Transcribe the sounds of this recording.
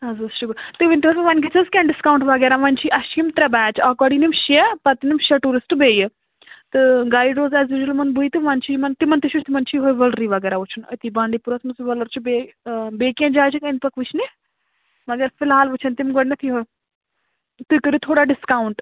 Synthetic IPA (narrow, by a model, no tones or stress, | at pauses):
ɦɐzɐɾʃʊkɾt̪ɨʋint̪iɦoɾɐʋɐnɡit͡sʰɐzkʲɛ̃ːnɖɪskaːuɳʈʋɐɡɛːɾaʋɐnʲt͡ʃʰiʔɐʃimt̪ɾɐbɛːt͡ʃɐkɐːɽinimʃɛpɐt̪inimʃeʈuːɾɪsʈbeːj | t̪ɨɡaːiɖoːzɛːzʋɪʒɐlmɐnbuit̪ɨʋɐnt͡ʃʰimɐnt̪imɐnt̪iʃʰut͡ʃʰt̪imɐnt͡ʃʰiɦojʋɐlɾiʋɐɡɛːɾaʋut͡ʃʰɐnɐ̰t̪iːbãːɳɖiːpuɾɐsmɐsiʋɐlɐɾt͡ʃʰibebeːkiãnd͡ʒaːjt͡ʃʰikɐnt̪pɐkʰʋɨt͡ʃʰne | mɐɡɐɾfʰɪlɦaːlʋut͡ʃʰɐnt̪imɡɐɽnɐt̪ʰiɦoj | t̪ɨkɐɾut̪ʰoːɽaɖɪskaːuɳʈ